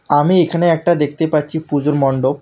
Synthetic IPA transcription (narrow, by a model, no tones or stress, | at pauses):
amiekʰaneɛk̚ʈad̪ek̚ʰt̪epatːt͡ɕʰipud͡ʑoɾmɔɳɖo